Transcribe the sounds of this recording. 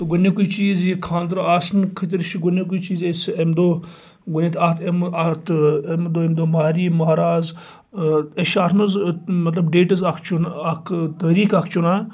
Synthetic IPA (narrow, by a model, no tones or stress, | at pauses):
t̪ɐɡʊnekuit͡ʃiːzjikʰaːnd̪ɾoaːsnkʰɐt̪̬ʲiɾʃiɡʊnek̬uit͡ʃiːzesemd̪oː | ɡʊnet̪ʰat̪ʰemat̪ʰemd̪oːemd̪oːmaːɾiːmɐɾaːz | eʃaːt̪ʰnuzmɐt̪lɐbɖeːʈɐzakʰt͡ʃʰunɐkʰt̪ɐɾiːkakʰt͡ʃunaː